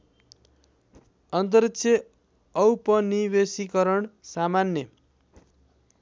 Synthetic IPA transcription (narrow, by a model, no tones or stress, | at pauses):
ʌnt̪̬ʌɾʌksʰje | ʌwpʌnibesikʌɾʌɳsamanjʌ